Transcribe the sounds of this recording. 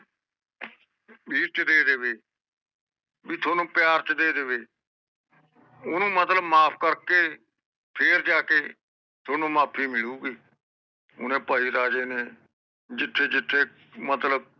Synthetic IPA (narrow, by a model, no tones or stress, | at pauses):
biːɾt͡ʃd̪eːd̪eʋeː | biːt̪ʰoːnũːpɪjaːɾt͡ʃd̪eːd̪eʋeː | ʊnũːmət̪ləbmaːpʰkəɾkeː | pʰeːɾd͡ʒaːkeː | t̪ʰoːnũːmaːpʰiːmɪɭuːɡiː | ʊnẽːpaːiːɾaːd͡ʒeːneː | d͡ʒɪt̪ʰːeːd͡ʒɪt̪ʰːeː | mət̪ləb̚